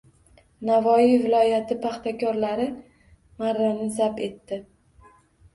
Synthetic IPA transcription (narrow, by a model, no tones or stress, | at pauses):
navɒivɪlˠɒjat̪ʰɪpʰaχt̪ʰakʲʰɒɾlaɾɪ | maɾːanɪzape̞t̪ːɪ